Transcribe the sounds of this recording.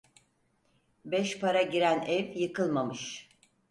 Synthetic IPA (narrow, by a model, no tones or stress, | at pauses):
bɛʃpaɾaɟiɾænɛvjɯkʰɯlˠmamɯʃ